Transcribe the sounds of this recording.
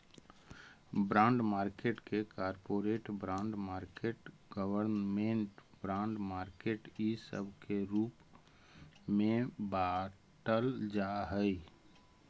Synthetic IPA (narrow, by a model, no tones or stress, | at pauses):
bɾãːɳɖmaːɾkeʈkekaːɾpoːɾeːʈbɾãːɳɖmaːɾkeːʈ | ɡəwəɾnmẽɳʈbɾãːɳɖmaːɾkeːʈisə̰bkeɾuːp | mẽba | ʈəld͡ʒaɦəi